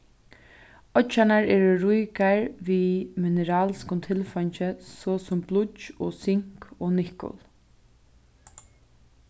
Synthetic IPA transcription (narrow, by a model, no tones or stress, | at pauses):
ɔt͡ʃanaɹɛːɾʊɾujkaɹʋimɪnɛɾaːlskʊnt̪ʰɪlfɔɲt͡ʃəsoːsʊmblʊt͡ʃɔːsɪŋ̥kɔːnɪhkʊ̰l